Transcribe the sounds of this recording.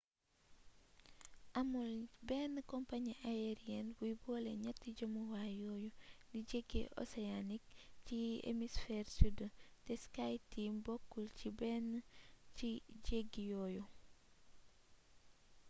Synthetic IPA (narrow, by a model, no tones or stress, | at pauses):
ʔɐmulbɛːnːəkɔmpaɲiʔajeɾijɛnbujbɔːleɲɐtːiɟomuwajɔjudiɟeɡḛʔo̰seanik̚t͡ʃiḛmisfɛːrsudətɛskajtiːmbɔkːult͡ʃibɛnt͡ʃiɟeɡijɔju